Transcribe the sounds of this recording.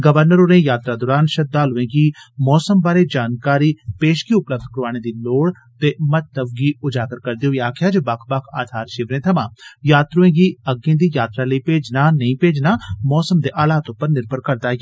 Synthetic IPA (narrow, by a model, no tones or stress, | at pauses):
ɡəʋəɾnəɾoːnẽjaːt̪ɾad̪ɔːɾaːnʃɐd̪ːaːlʊʋẽːɡiːmɔːsəmbaːɾed͡ʒaːnkaːɾiːpeːʃkiʊpləb̚d̪kɾʊaːñẽd̪iloːɽ | t̪emɐt̪ləʋɡiʊd͡ʒaːɡəɾkɐɾd̪ijõjaːkʰjad͡ʒobɐkʰbɐkʰa̰ːd̪ʱaːɾʃɪʋɾẽːt̪ʰɐmãːjaːt̪ɾoẽːɡiɐɡẽːd̪ijaːt̪ɾaləipeːd͡ʒnaːnɐĩːpeːd͡ʒnaːmɔːsəmd̪eːʔaːlaːt̪õpəɾnɪɾbʱəɽkɐɾd̪aːj